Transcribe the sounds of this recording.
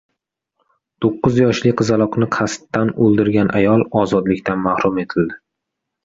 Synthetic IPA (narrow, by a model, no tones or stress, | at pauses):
t̪ʰoqːɨzjɒʃlɪqʰɨzalˠɒqnɪqʰast̪ːanolˠd̪ɪɾɡʲanʔajɒlˠɒzɒd̪lɪkʲt̪ʰanmahɾʊme̞t̪ʰɪld̪ɪ